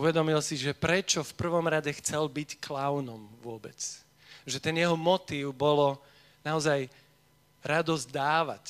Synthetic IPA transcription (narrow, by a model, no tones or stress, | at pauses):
uʋɛd̪ɔmilsiʒɛpɾɛt͡ʃɔfpr̩ʋɔmɾaɟɛxt͡sɛlbicklaʊnɔmʋʊɔbɛ̰t͡s | ʒɛt̪ɛnjɛɦɔmɔt̪iːʊbɔlɔ | naɔzaj | ɾad̪ɔzd̪aːʋa̰c